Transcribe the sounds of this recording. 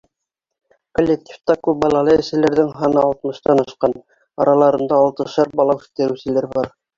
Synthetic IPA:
kolʲːek̚tʲʰi̥ft̪ɑkʉbɑlˠɑlˠɤɘ̆ʃsɘ̆læɾðɘŋɦɑnɤɑlˠt̪mɤ̆ʃt̪ɑnɑʃqɑn | ɑɾɑlˠɑɾɤ̆nd̪ɑːlˠt̪ɤ̆ʃɑɾ̚bɑlˠɑɵ̥t̪æ̆ɾɘ̆wsɘ̆læɾbɑɾ

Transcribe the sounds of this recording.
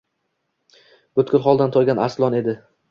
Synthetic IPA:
b̥ɵt̪kʲʊlˠχɒlˠd̪ant̪ʰɒjɡʲanaɾslˠɒne̞d̪ɪ

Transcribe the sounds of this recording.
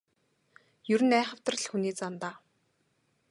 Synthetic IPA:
jɵɾɘ̆næːχə̆w̥t̪ə̆r̆ɮxuniːt͡sant̪aː

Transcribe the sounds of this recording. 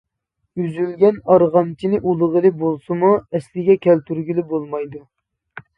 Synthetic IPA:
yzylɡʲɛnɑɾʁɑmt͡ʃʰinɪʔulˠəʁəlˠɨbolˠsɨmuɛslɪɡʲɛkʲʰɛlt̪ʰyɾɡʲilɪbolˠmɑjd̪u

